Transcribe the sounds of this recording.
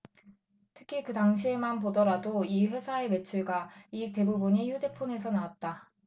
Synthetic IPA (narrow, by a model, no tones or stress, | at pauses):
tʰɯ̥kʰikɯtaŋɕʰiemanpodʌɾadoiɸwe̞sʰae̞me̞t͡ɕʰuɭɡaite̞bubuɲiçude̞pʰune̞sʰʌnawat̚t͈a